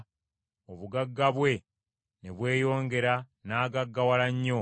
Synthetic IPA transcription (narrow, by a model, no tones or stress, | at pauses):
oβuɡaɡːaβwe̞ | ne̞βwe̞ːjo̞ːŋɡe̞ɾa | naːɡaɡːawalaɲːo̞